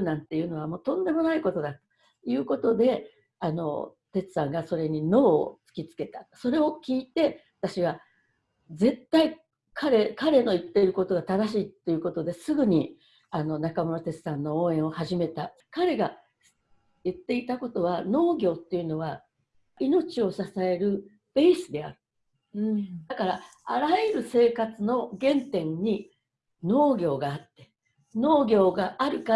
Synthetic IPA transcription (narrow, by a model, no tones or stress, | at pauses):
nãnt̪ːe̞jɯ̟no̞β̞amo̞ːt̪õ̞nd̪e̞mo̞naiko̞t̪o̞d̪at̪o̥ | jɯ̟ːko̞t̪o̞d̪e̞ | ano̞̰ | t̪e̞t͡sɨ̥sãŋɡaso̞ɾe̞ɲ̟ino̞̰ːt͡sɨ̥kʲit͡sɨ̥ke̞t̪aso̞ɾe̞o̞kʲiːt̪e̞βat̪aɕiβa | ze̞t̪ːai | kʰaɾe̞kaɾe̞no̞it̪ːeɾɯ̟ko̞t̪o̞ɡat̪ad̪aɕiːt̪ːe̞jɯ̟ko̞t̪o̞d̪e̞sɨɡɯ̟ɲ̟i | ano̞nakamo̞not̪e̞t͡sɨ̥sãnːo̞õːẽ̞ɰ̃o̞haʑime̞t̪a | kaɾe̞ɡa | jɯt̪ːe̞it̪ako̞t̪o̞βano̞ːɡʲo̞ːt̪ːe̞jiɯ̟no̞βa | ino̞t͡ɕio̞sasae̞ɾɯ̟ | b̥e̞ːsɨd̪e̞a̰ɾɯ̟ | d̪akaɾaa̰ɾaɯɾɯ̟se̞ːkat͡sɨno̞ɡẽ̞nt̪ẽ̞ɲ̟ːi | no̞ːɡʲo̞ːɡaːt̪ːe | no̞ːɡʲo̞ːɡaʔaɾɯ̟ka